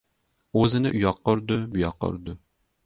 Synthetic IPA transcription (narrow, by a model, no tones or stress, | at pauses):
øzɪnɪʔyjɑqːoɾd̪ɨbyjɑqːo̰ɾd̪ʊ